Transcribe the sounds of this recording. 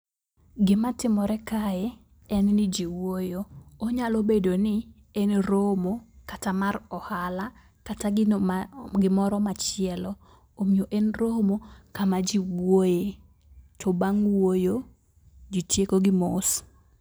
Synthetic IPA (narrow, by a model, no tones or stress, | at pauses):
ɡɪmatɪmɔɾɛkaɛ | ɛnnɪd͡ʒiwojoːɲalobedonɪ | enɾomokatamaɾɔhala | kata | ɡɪmɔɾɔmat͡ʃɪɛlɔ | omioʔenɾomokamad͡ʒiwoje | tʰɔbaŋwojo | d͡ʒitjekoɡɪmos